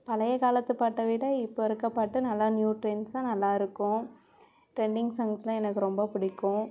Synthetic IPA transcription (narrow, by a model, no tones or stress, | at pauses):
pɐlɐjɐkaːlɐt̪ːɯpaːʈːɐʋɪɽɐɪpːoːɪɾɯkːɐpːaːʈːɯnɐlːanjuːʈɾeːnsãːnɐlːaːɪɾɯkːʊ̃ | ʈɾɛɳɖɪŋɡsɐŋɡslãːɛnɐkːɯɾɔmbɐpʊɽɪkːʊ̃